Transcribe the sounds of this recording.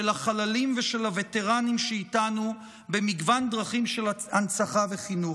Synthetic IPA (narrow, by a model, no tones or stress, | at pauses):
elaχalalimveʃe̞lavete̞ʁanimʃeitanu | be̞miɡvand̪ʁaχimʃe̞lansaχaveχinu